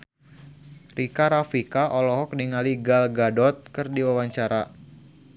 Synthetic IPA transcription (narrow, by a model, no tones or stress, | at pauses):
rikaɾafikaʔɔlɔɦɔk̚diŋaliɡalɡadɔt̪̚kɨrdiwawaɲt͡ʃaɾa